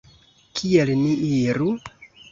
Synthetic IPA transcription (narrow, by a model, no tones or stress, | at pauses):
kʰielniiɾu